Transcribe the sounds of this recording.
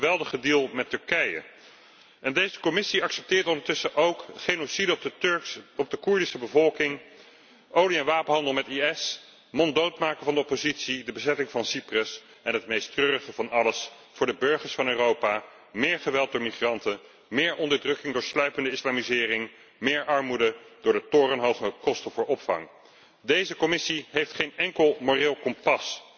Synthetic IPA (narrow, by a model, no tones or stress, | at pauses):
χəʋɛlˠdəχədilˠmɛtɵɹkɛjə̰ | ʔɛndejzəkɔmɪsiɑksɛp̚tɪːɹtɔndəɹtɵsəʔowkχejnosidə | ɔp̚dəkuɹdisəbəvɔlˠkɪŋ | ʔowliɛnʋaːpənɦɑndəlˠmɛtiɛs | mɔndowtmaːkəvɑndəɔpozitsidəbəzɛtɪŋvɑnsiprəs | ɛnɦətmejstrøːrəχəvɑnɑləs | fʊːɹdəbøɹχəɹsfɑnøːrowpaː | mɪːɹχəʋɛlˠt̚dʊːɹmiχrɑntə | mɪːɹʔɔndəɹdrɵkɪŋdʊːɹslœɥpəndəɪslaːmizɪːrɪŋ | mɪːɹʔɑɹmudəd̥ʊːɹdətoːrənɦowχəkɔstəvʊːɹɔpfɑ̰ŋ | dejzəkɔmɪsiɦejftχejnɛŋkəlˠmorɪːlˠkɔmpɑs